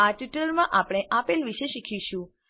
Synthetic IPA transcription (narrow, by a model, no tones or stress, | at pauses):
aʈiʈəlmãʔapɽ̃eʔapelʋiʃeʃikʰiʃũ